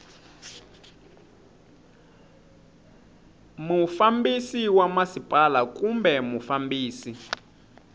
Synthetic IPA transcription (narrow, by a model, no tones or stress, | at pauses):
mufambisiwamasipʼalak̬ʼumbɛmufambiːsi